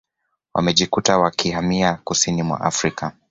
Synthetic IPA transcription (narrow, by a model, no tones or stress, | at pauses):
wʔa̰mɛʄikutawakihamiakusinimwa̰ʔa̰fɾika